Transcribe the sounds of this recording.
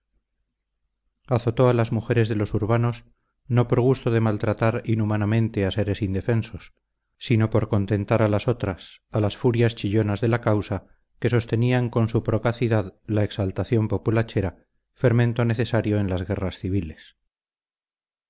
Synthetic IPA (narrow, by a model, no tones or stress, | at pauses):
aθo̞t̪o̞alazmuxe̞ɾe̞zðe̞lo̞suɾβano̞s | no̞po̞ɾɣ̞ust̪oðe̞malt̪ɾat̪aɾinumanamẽ̞nt̪e̞ase̞ɾe̞sind̪e̞fe̞nso̞sː | ino̞po̞ɾko̞nt̪e̞nt̪aɾalaso̞t̪ɾasalasfuɾjast͡ʃiʎo̞nazðe̞lakawsa | ke̞so̞st̪e̞niaŋko̞nsupɾo̞kaθiðaðlaeksalt̪aθjo̞mpo̞pulat͡ʃe̞ɾa | fe̞ɾmẽnt̪o̞ne̞θe̞saɾjo̞enlazɣe̞rasθiβ̞ile̞s